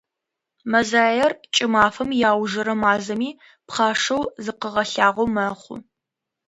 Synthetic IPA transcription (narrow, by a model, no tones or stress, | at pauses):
mɐzaːjɐrt͡ʃʼɪmaːfɐmjaːwʒɐɾɐmaːzɐmiː | pχɑːʂɐwzɨqəʁɐɬaːʁʷowmɐχʷʊ̰